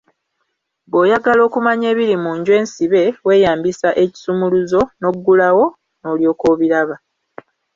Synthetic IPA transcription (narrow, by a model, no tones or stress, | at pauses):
bo̞ːjaɡalo̞ːkumaɲe̞ːβiɾimuːɲɟwe̞ːnsiβe̞we̞ːjaːmbisaʔe̞ci̥sumuluzo̞no̞ɡːulawo̞ | no̞ːljo̞ːko̞βiɾaβa